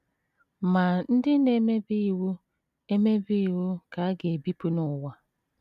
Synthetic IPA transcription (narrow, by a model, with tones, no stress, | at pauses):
ma˨n̩˦dɪ˦ne˦me˦bi˦i˨wu˦ | e˦me˦bi˦i˨wu˦ka˨a˦ɡe˨bi˦pu˦nʊ˨wa˦